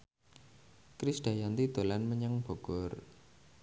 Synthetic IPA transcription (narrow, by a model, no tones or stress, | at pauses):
kɾisɖ̥a̤jant̪id̪̥o̤lanməɲəŋb̥o̤ɡ̥ɔr